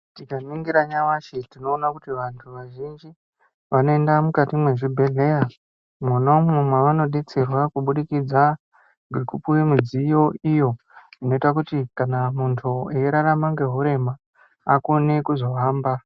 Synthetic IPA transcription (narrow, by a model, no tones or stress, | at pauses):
tikaniŋɡiɾaɲawat͡ʃetino̞ːnakutiʋantʰuʋaʒind͡ʒi | ʋano̞endamukatimwe̞ʐibʱe̞ɮe̞ja | muno̞mumweʋano̞ɗet͡se̞rwakuɓuɗikid͡za | ŋɡekupuwimud͡zijo̞ijo̞ | ino̞itakutikanamuntʰuejeɾaɾamaŋɡe̞ɦuɾe̞maː | kone̞kuzo̞ʋaːmba